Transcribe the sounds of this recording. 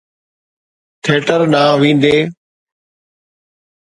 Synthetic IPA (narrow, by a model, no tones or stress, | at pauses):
t̪ʰeːʈəɾnãːʋĩːn̆d̪eː